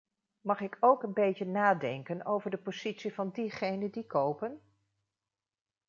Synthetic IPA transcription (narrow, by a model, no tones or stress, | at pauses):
mɑχɪkʰowkənbejtənaːdɛŋkənowvəɹdəpoz̥itsivɑndiχejnəndikowpən